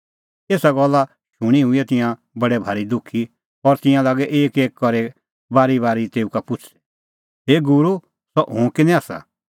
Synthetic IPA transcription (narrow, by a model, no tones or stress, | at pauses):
eːsaɡɔlːa | ʃʊɽ̃iɦʊiɛt̪ɪ̃jã | bɐɽɛbʱaːɾid̪ʊkʰːi | ɔɾt̪ɪ̃jãlaːɡɛʔeːkeːkkɔɾe | baːɾibaːɾit̪eːukapʊt͡ʃʰi̥ | ɦeːɡʊɾu | sɔʔɦʊ̃kɪnɛ̃aːsa̰